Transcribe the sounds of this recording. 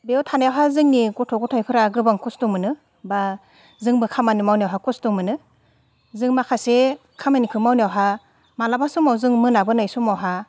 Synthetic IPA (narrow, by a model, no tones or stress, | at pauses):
beɔtʰanajawɦazɯŋnikutʰɔɡɔtʰajpʰɯɾaɡɯbaŋkustuŋmɯnɯ | ba | zɯŋbɯkʰamanimawnijawɦakustumɯnɯ | zɯŋmakʰase | kʰamanikʰɯmawnawɦa | malabasumawzɯŋmɯnabɯnajsumawɦa